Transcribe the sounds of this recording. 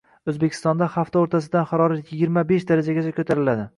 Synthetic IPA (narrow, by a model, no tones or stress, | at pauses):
ɵzbekʲʰɪ̥st̪ɒnd̪aχaft̪ʰaoɾt̪ʰas̬ɪd̪anχɑɾɒɾat̪jɪɡʲɪɾmabeʃd̪aɾad͡ʒaɡʲat͡ʃʰakʰɵt̪ʰaɾɪlad̪ɪ